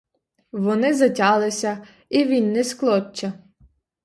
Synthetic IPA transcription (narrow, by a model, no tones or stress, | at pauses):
ʋɔnɪzɐtʲɑlˠɪsʲɐ | iʋʲinːɛsklˠɔt͡ʃːɐ